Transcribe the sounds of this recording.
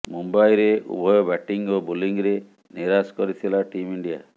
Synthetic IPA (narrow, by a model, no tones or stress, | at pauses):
mumbajɾeṵbʱɔjɔbɛʈiŋobuliŋɾe | niɾaskɔɾit̪ʰilaʈimiɳɖija